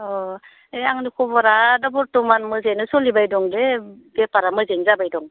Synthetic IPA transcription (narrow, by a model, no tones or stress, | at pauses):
ɔ | eaŋnikʰɔbɔɾadɔbɔɾtɔmanmɯzejnɯsɔlibajdɔŋdebepaɾamɯzenzabajdɔŋ